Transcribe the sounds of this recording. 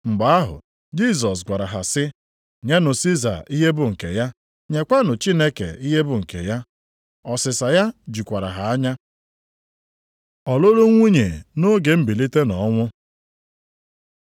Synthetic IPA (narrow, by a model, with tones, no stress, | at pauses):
ŋ͡m̩˨ɡ͡ba˨a˦ɦʊ̰˨ | d͡ʒi˦s̬ɔ˨s̬ɡʷa˨ɾa˨ɦa̰˨sɪ˦ | ɲe˦nʊ˨si˦za̰˨i˦ɦe˦bʊ˨ŋ̩˨ke˨ja˦ | ɲe˨kʷa˦nʊ˨t͡ʃi˦ne˦kḛ˨i˦ɦe˦bʊ˨ŋ̩˨kḛ˨ja˦ | ɔ˨sɪ˨sa˨ja˦d͡ʒi˨kʷa˨ɾa̰˨ɦa˨a˦ɲa˦ | ɔ˨lo˦ɾo˦ŋʷu˦ɲe˨no˦ɡe˨m̩˦bi˨li˦te˦nɔ˨˦ŋʷʊ˦